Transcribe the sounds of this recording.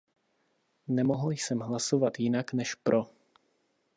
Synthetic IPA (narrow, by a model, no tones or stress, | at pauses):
nɛmoɦl̩jsɛmɦlaso̞vat̪jɪnaknɛʃpɾʔo